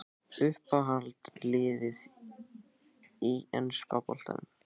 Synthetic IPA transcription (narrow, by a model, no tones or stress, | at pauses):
ʏhpaɦalt̪lɪːðɪð | iɛ̰nskapɔl̥t̪a̰nʏm